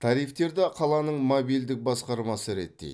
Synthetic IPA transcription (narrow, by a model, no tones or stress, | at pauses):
t̪ʰɑɾijft̪e̞ɾd̪ɑqʰɑlˠɑnəɴmobijld̪ɪk̚bɑsqɑɾmɑsəɾe̞t̪ːḛj̪